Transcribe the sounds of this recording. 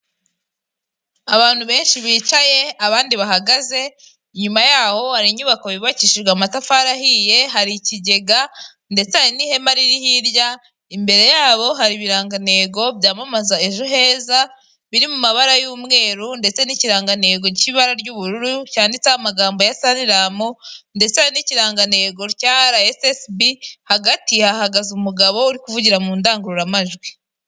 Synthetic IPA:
aβaːn̥huβe̞ːnʃiβiːt͡ʃaje̞aβaːndiβaɦaɡaze̞ | ɲumajaːho̞haɾiɲuβakaβiβaciʃiɾɡwamatafaɾahije̞ɦaɾiciɟe̞ɡa | nde̞t͡seaɾinihe̞maɾiɾihiɾɟa | imbe̞ɾe̞jaːβo̞ɦaɾiβiɾaːŋɡane̞ːɡo̞bɟaːmamazaeʒoɦe̞ːza | βiɾimumaβaɾajuːmŋe̞ːɾunde̞t͡se̞niciɾaːŋɡane̞ːɡo̞ɾciβaɾaɾɟuːβuɾuɾucaːndit͡sahamaɡaːmbo̞jasaniɾamonde̞t͡seajiniciɾaːŋɡane̞ɡo̞ɾcaːɾaesesbihaɡatihahaɡazumuɡaβo̞uɾikuvuɟiɾamuːndaːŋɡuɾuɾamaʒɡwi

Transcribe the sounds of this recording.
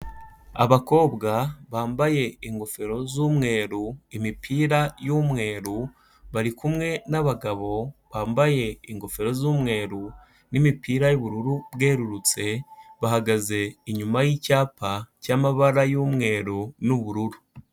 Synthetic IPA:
a̰βako̞ːbɡaβaːmbaje̞iŋɡo̞fe̞ɾo̞zuːmŋe̞ːɾuimipʰiːɾajumŋe̞ːɾu | βaɾikumŋe̞naβaɡaβo̞βaːmbaje̞iŋɡo̞fe̞ɾo̞zuːmŋe̞ːɾu | nimipʰiːɾajuβuɾuɾubɡe̞ːɾuɾut͡se̞βahaɡaze̞iɲumajicaːpʰacaːmaβaɾajumŋe̞ːɾunuβuɾuɾu

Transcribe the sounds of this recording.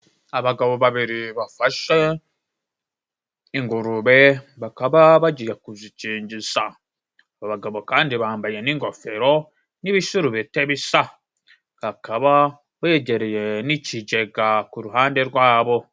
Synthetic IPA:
aβaɡaβo̞βaβiɾiβafaʃe | iŋɡuɾuβeβakaβaβaɟijakuziciːɲɟisa | βaβaɡaβo̞kaːndiβaːmbaje̞niŋɡo̞fe̞ɾo̞ | niβiʃuɾuβeteβisa | hakaβa | βeɟe̞ɾe̞je̞niciɟe̞ɡakuɾuɦaːnde̞ɾɡwaːβo̞

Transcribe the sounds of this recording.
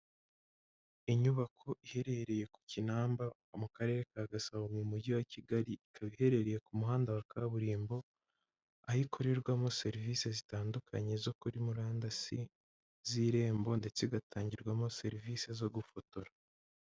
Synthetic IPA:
iɲuβakʰo̞ʔihe̞ɾe̞ɾe̞je̞ku̥cinaːmba | omukaɾe̞ːɾekaɡasaβomumuɟiwaciɡaɾiikʰaβihe̞ɾe̞ɾe̞je̞kumuɦaːndawakʰaβuɾiːmbo̞ | ahikʰoɾeɾɡwamo̞se̞ɾiviːse̞zitaːndukʰaɲe̞zo̞kuɾimuɾaːndasi | ziːɾe̞ːmbo̞nde̞t͡seɡatʰaːɲɟiɾɡwamo̞se̞ɾiviːse̞zo̞ɡufotoɾa

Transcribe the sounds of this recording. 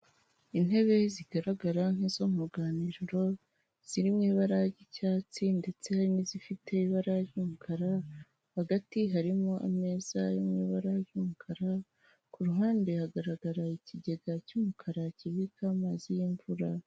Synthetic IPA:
in̥he̞βe̞ziɡ̥aɾaɡaɾaŋ̥hizo̞muɡaːniɾiɾo̞ | z̥iɾimɲiːβaɾaɟicaːt͡sinde̞t͡se̞haɾinizifite̞iβaɾaɾjumukʰaɾa | haɡatiɦaɾimo̞ʔa̰me̞ːz̥ajomɲiːβaɾajumukʰaɾa | kuɾuɦaːndehaɡaɾaɡaɾaiciɟe̞ɡacumukʰaɾaciβikamaːzijiɱvuɾa

